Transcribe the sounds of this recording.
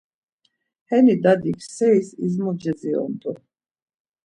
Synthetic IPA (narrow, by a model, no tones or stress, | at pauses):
hɛnid̪ad̪ikʰsɛisizmɔd͡ʒɛd͡ziɔ̰nd̪ɔ